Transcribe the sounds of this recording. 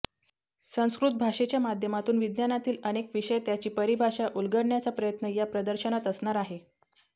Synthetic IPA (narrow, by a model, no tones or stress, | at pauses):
sə̃w̃skɾut̪̚bʱaʂet͡ɕjamad̪ʱjəmat̪uːnʋid̪njanat̪iːlənekʋiʂəjt̪jat͡ɕiːpəɾibʱaʂaʔulɡəɽɳjat͡səpɾəjət̪nəjapɾəd̪əɾɕənat̪əsɳaɾaɦe